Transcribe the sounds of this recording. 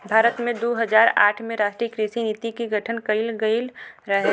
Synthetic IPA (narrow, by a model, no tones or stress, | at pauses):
bʱaːɾət̪mẽd̪oːɦəd͡ʒaːɾa̰ːʈʰmẽɾaːʃʈɾiəkɾiʃiniːt̪ikiɡʱɐʈʰənkəɪlɡəilɾɐɦe